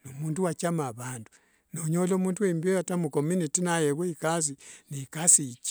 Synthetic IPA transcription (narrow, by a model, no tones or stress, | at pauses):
numuːntuwat͡ʃamaβandu̥ | noɲolomuntuembiojatamukominitinajeβweikaziniikasit͡ʃi̥